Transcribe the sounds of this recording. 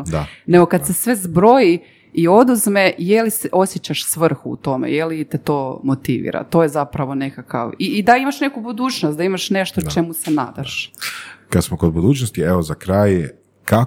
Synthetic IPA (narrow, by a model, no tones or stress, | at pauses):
d̪ane̞ɡo̞kad̪se̞sʋe̞zbɾo̞ji | io̞d̪uzmejeliseʔo̞sjet͡ɕaʃsʋr̩xṵṵt̪o̞mḛjelit̪et̪o̞ːmo̞t̪iʋḭːɾa̰t̪o̞ːjezapɾaʋo̞ne̞kaka̰ʋiːd̪aimaʃne̞kubud̪uːt͡ʃnost̪d̪aimaʃne̞ʃt̪ot͡ʃe̞musena̰ːd̪aʃ | kad̪smokod̪bud̪uːt͡ʃnost̪ieʋozakɾaːj | ka